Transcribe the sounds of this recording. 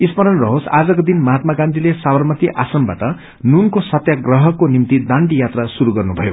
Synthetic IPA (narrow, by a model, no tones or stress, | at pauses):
ispʌɾʌnrʌɦosad͡zʌkod̪inmʌɦat̪̚maɡãnd̪ilesabʌrmʌt̪iʔasʌmba̰ʈʌ | nunkosʌt̪jaɡrʌɦʌkonimt̪id̪ãɳɖijat̪rasuɾuɡʌrnubʱʌjo